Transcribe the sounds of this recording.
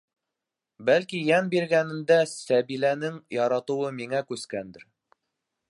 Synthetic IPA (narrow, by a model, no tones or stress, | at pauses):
bælkijænbiɾɡænɘ̆nd̪æsæβilænɘŋjɑɾɑt̪ɤ̆wɤmiŋækʉskænd̪ɘɾ